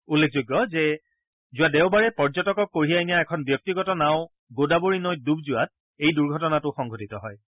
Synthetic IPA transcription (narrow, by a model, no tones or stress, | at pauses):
ulːekʰzoɡːɔzɛ | zʊwadɛʊbaɹɛpɔɹd͡ʒɔtɔkɔkːoɹijajnijaɛkʰɔnbjɔk̚tiɡɔtɔnaʊ | ɡodaboɹinojt̚dub̚zʊat̚ | ejduɹɡʱɔtɔnatʊxɔŋɡʱotitɔɦɔj